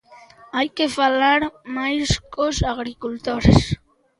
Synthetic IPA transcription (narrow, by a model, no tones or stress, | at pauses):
ajkefalaɾmajskosaɣɾikult̪oɾes